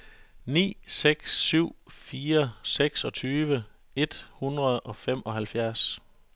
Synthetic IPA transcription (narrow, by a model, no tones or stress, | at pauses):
nḭːseɡ̥sːyʊ̰fiːɐseɡ̥sɒ̽t͡sʰyːʋə | e̝d̥hunʁɐðˠɒ̽fem̰ɒ̽ɦælfjæɐs